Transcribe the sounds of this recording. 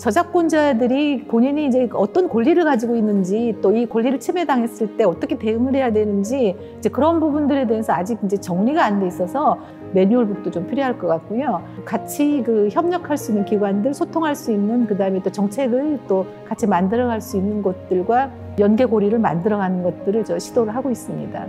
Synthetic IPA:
t͡ɕʌd͡ʑak̚k͈ond͡ʑadɯɾipoɲiɲiːd͡ʑe̞ʌt͈ʌnkoʎːiɾɯɭkad͡ʑiɡoinːɯnd͡ʑit͈oikoʎːiɾɯɭt͡ɕʰime̞daŋɦe̞s͈ɯɭt͈e̞ʌt͈ʌkʰete̞ɯŋɯɾɦe̞jadwe̞nɯnd͡ʑi | id͡ʑe̞kɯɾʌnbubundɯɾe̞deesʰʌad͡ʑiɡind͡ʑe̞t͡ɕʌŋɲiɡaːnde̞is͈ʌsʰʌ | me̞ɲuːɭbut̚t͈ot͡ɕompʰiɾjoɦaɭk͈ʌk͈at̚k͈ujokat͡ɕʰikɯçjʌmɲʌkʰaɭs͈uinːɯnkiɡwandɯɭsʰotʰoŋɦaɭs͈uinːɯnkɯdaɯme̞t͈ot͡ɕʌŋt͡ɕʰe̞ɡɯɭt͈o | kat͡ɕʰimandɯɾʌɡaɭs͈uinːɯnɡʌt̚t͈ɯɭɡwa | jʌnɡe̞ɡoɾiɾɯɭma̰ndɯɾʌɡanɯnɡʌt̚t͈ɯɾɯɭt͡ɕʌɕʰidoɾɯɭɦaɡois͈ɯmɲḭda̰

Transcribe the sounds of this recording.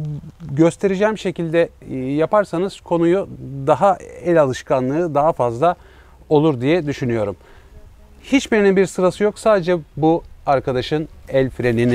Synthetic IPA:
ɟø̞st̪ʰe̞ɾid͡ʒɛːmʃe̞cʰilʲd̪ɛjapaɾsanɯz̥kʰo̞nujud̪aɦaɛlʲalˠɯʃkʰanlˠɯːd̪aɦafazlˠa | o̞lˠuɾd̪ijɛd̪yʃynyjo̞ɾum | hit͡ʃbiɾinibiɾsɯɾasɯjo̞ksaːd̪ed͡ʒɛbuaɾkʰad̪aʃɯnɛlʲfɾe̞nin

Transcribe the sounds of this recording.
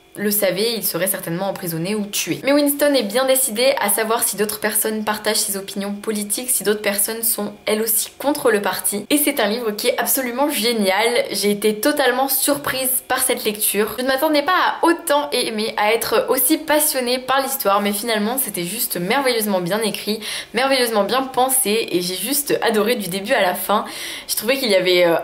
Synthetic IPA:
ləsavɛilsəʁɛsɛʁt̪ɛnmɑ̃ɑ̃pχizɔneut̪yemɛwinst̪ɔnɛbjɛ̃d̪esid̪eʔa̰savwaʁsid̪ot̪χəpɛʁsɔnpaʁt̪aʒsezɔpinjɔ̃pɔlit̪ʰiksid̪ot̪χəpɛʁsɔnsɔ̃ɛlosi̥kɔ̃t̪χələpaʁt̪ʰiesɛt̪ɛ̃livʁəkʲiɛt̪apsɔlymɑ̃ʒenjalʒeːt̪et̪ɔt̪almɑ̃syʁpχizpaʁsɛt̪lɛk̚t̪ʰyːʁʒənmat̪ɑ̃d̪ɛpaːot̪ɑ̃ʔemeʔaɛt̪χʔosipasjɔnepaʁlist̪waʁmɛfinalmɑ̃set̪ɛʒyst̪mɛʁvɛjøzmɑ̃bjɛ̃nekχimɛʁvejøzmɑ̃bjɛ̃pɑ̃seeʒeʒyst̪a̰d̪ɔʁed̪yd̪ebyalafɛ̃ʒ̥ə̥t̪χuvɛkiljavɛø

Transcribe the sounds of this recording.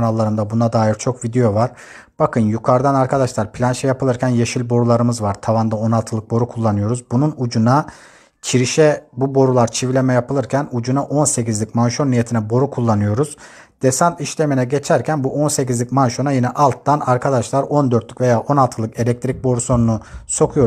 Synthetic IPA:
nalˠːaɾɯnd̪abunad̪aːjiɾt͡ʃʰo̞kvid̪ejo̞vaɾ̥ | b̥akʰɯnjukʰaɾd̪anaɾkʰad̪aʃlˠaɾpʰlʲanʃɛjapɯɯɾcʰænjeʃilʲbo̞ɾulˠaɾɯmɯzvaɾt̪ʰavand̪ao̞nalˠt̪ʰɯlˠɯk̚bo̞ɾukʰulˠːanɯjo̞ɾuzbununud͡ʒuna | cʰiɾiʃɛbubo̞ɾulˠaɾt͡ʃʰivlʲe̞mɛjapɯlˠɯɾcʰænud͡ʒunaʔo̞nse̞cizlʲicmanʃo̞nːije̞t̪ʰinɛbo̞ɾukʰulˠːanɯjo̞ɾuz̥ | d̪̥esant̪iʃlʲe̞minɛɟe̞t͡ʃʰæɾcʰænbuʔo̞nse̞cizlʲicmanʃo̞najinɛʔalˠt̪ːanaɾkʰad̪aʃlˠaɾo̞nd̪ø̞ɾt̪lʲykve̞jaːʔo̞nalˠt̪ʰɯlˠɯke̞lʲɛk̚t̪ʰɾic̚bo̞ɾuso̞nunuso̞kʰujo̞

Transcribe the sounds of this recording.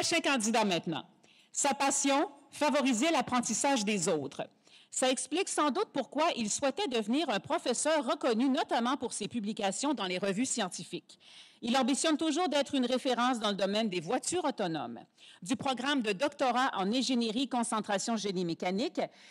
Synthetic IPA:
ɔʃɛ̃kɑ̃d̪id̪amɛ̃t̪nɑ̰̃ | sapasjɔ̃favɔʁizɛlapχɑ̃t̪isaʒd̪ezɔt̪χ | saɛkspliksɑ̃d̪ut̪̚puʁkwaʔilswɛt̪ɛd̪əvniːʁœ̃pχɔfɛsœːʁːəkɔnynɔt̪amɑ̃puʁsepyblikʲasjɔ̃d̪ɑ̃leʁəvysjɑ̃t̪ifɪk | ilɑ̃bisjɔnt̪uʒuːʁd̪ɛːt̪χynʁefeʁɑ̃s̬d̪ɑ̃ləd̪ɔmɛnd̪evwat̪yːʁɔt̪ɔnɔ̰m | d̪ypχɔɡʁamd̪əd̪ɔkt̪ɔʁaʔɑ̃nɛ̃ʒeneʁikɔ̃sɑ̃t̪χasjɔ̃ʒenimekanɪk

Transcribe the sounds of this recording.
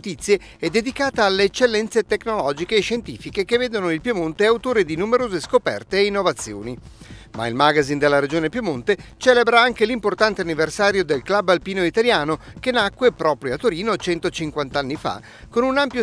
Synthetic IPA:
t̪it̪sːje | ɛd̪ːed̪ikaːt̪aalːeːt͡ʃːelːɛnt̪set̪eknolɔːd͡ʒikeːʃːent̪iːfikekevːeːd̪onoilpjomont̪eawt̪oːɾed̪inumeɾoːzeskopɛ̰rt̪eːinːovat̪sːjo̰ːnima̰ilmaɡazind̪elːaɾed͡ʒoːnepjomont̪et͡ʃɛːlebɾaaŋkelimport̪ant̪eanːiversaːɾjod̪elklabalpiːnoit̪aljaːnokenakːwepɾɔːpɾjoat̪ːoɾiːnot͡ʃɛnt̪ot͡ʃiŋkwant̪anːifa̰ | konunampjo

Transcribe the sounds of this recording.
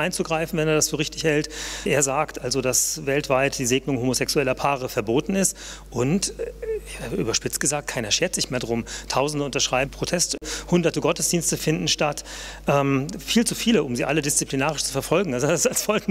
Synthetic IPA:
ʔaɪnt͡suɡʁaɪfn̩vɛneɐdasfyːɐʁɪçtɪçhɛltʔeːɐzaːktʔalzodasvɛltv̥aɪtd̥iːzeːɡnʊŋhoːmozɛksuɛlɐpʰaːʁ̞əfɛɐboːtn̩ɪst | ʔʊnteːɐʔy̰ːbɐʃpɪt͡stɡ̥əzaːk̚t̚kʰaɪnɐʃeːɐtz̥ɪçmeːɐdʁʊmtʰaʊzn̩dəʊntɐʃʁ̥aɪbm̩pʁ̥otʰɛsthʊndɐtəɡɔtəsd̥iːnstəfɪndn̩ʃtat | ʔɛːmfiːlt͡sufiːləʔʊmziːʔa̰lədɪst͡sipʰlinaːʁɪʃt͡su̥fɛɐfɔlɡŋ̩alzosalsfɔlk

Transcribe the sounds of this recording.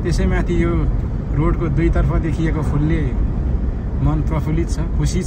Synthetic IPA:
t̪esʌjmãt̪ʰijo | roɽkod̪ujt̪ʌrpʰʌd̪ekʰijekopʰulːe | mʌnt̪wʌpʰulit̪t͡sʰʌkʰusi

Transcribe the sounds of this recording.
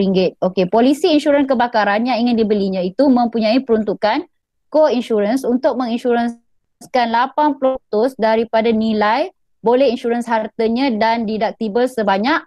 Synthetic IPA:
ɾiŋɡɪt̪̚okepolisiːnʃuɾənkəbakaɾanjaŋiŋɪ̃ndibəliɲãit̪umə̃mpuɲãipəɾunt̪ukan | koinʃuɾənsunt̪ʊk̚mə̃ŋinʃuɾən | skanlapanplot̪ʊsdaɾipadanĩlaj | bolɛhinʃuɾənshart̪əɲãdandidak̚t̪ibəlsəbaɲak̚

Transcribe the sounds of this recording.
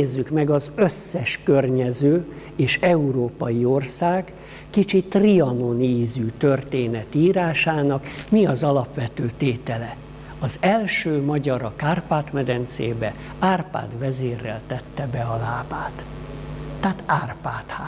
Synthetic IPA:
eːzːykmɛɡɒzøsːɛʃkørɲɛzøː | eːʃɛuɾoːpɒjio̞rsaːɡː | it͡ʃit̪riɒno̞niːzyt̪ø̞rt̪eːnɛt̪iːɾaːʃaːnɒkmiɒzɒlɒpʋɛt̪øːt̪eːt̪ɛlɛ | ɒzɛlʃøːmɒɟɒɾɒkaːrpaːt̪mɛd̪ɛnt̪sḛːbɛ | aːrpa̰ːd̪ʋɛzeːrːɛ̰lt̪ɛt̪ːɛbɛɒlaːbaːt̪ː | aːt̪aːrpaːt̪haː

